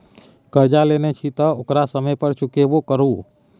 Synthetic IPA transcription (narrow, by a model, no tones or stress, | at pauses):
kəɾd͡ʒalenɛt͡ʃʰit̪ɔokɾasəməjpəɾt͡ʃʰʊkebokəɾu